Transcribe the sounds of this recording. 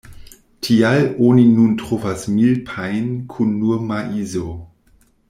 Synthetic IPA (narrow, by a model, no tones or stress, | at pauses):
tʰialoːninuntʁ̥ofasmilpʰaɪnkʰunːuɐmaʔiːzo